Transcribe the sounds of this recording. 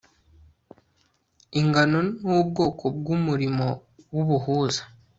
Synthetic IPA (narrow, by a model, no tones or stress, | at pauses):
iŋɡano̞nub̚ɡo̞ːkʰob̚ɡumuɾimo̞wuβuhuːzḁ